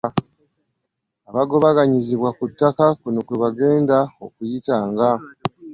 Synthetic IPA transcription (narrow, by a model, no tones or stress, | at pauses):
aβaɡo̞βaɡaɲiziβwakutːakakunukuβaɡe̞ːndao̞kujitaːŋɡa